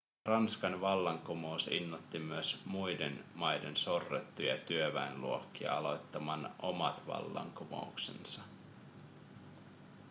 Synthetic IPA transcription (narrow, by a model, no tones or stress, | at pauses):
rɑnskɑnʋɑlːɑŋkomo̞usḭnːut̪ːimyøsmujdenmɑjdenso̞rːet̪ːujɑ̰t̪yøʋæenluokːiɑ̰ɑlo̞jt̪ːɑmɑnʔo̞mɑt̪ʋɑ̰lːɑ̰ŋkomo̰uksḛnsɑ